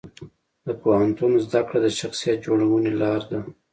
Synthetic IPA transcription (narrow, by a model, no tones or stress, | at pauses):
d̪əpohant̪unzd̪akɽad̪əʃaxsijat̪̚d͡ʒoɽawənelɑɾd̪a